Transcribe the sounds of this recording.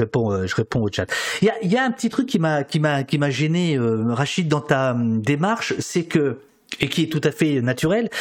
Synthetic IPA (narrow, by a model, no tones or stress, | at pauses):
ʁepɔ̃øʒəʁepɔ̃ot͡ʃat̪iljaʔiljaɛ̃pət̪it̪χykʲːimakʲimakʲimaʒɛneøʁaʃid̪̚ːɑ̃t̪ad̪emaʁʃsɛkə | ekʲiɛt̪ut̪afɛønat̪yʁɛl